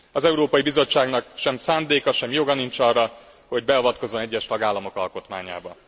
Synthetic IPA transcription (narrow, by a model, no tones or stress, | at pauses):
ɒzɛuɾoːpɒjibizo̞t͡ʃːaːɡnɒkʃɛmsaːnd̪eːkɒʃɛmjo̞ɡɒnint͡ʃɒrːɒ | ho̞ɟ̚bɛɒvɒt̪ko̞zːo̞nɛɟːɛʃt̪ɒɡaːlːɒmo̞kɒlko̞t̪ma̰ːɲa̰ːbɒ